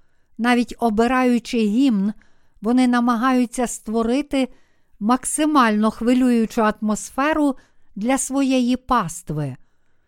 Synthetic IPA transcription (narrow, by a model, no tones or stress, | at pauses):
n̪ɑʋʲitʲɔbɪɾɑjʊt͡ʃɪɦʲimn | ʋɔnɪnɐmɐɦɑjʊt͡sʲːɐst̪ʋɔɾɪt̪ɪ | mɐksɪmɑlʲnɔxʋɪlʲujʊt͡ʃʊɐt̪mɔsfɛɾʊ | d̪lʲɐsʋɔjɛjipɑst̪ʋɪ